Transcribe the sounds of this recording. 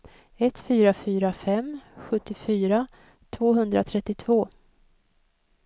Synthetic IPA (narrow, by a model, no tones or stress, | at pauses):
ɛt̪fyːɾafyːɾafɛmɧɵt̪ːɪfyːɾa | t̪ʰvoːɦɵnd̪ɾa̰t̪ʰɾɛt̪ːɪt̪ʰvoː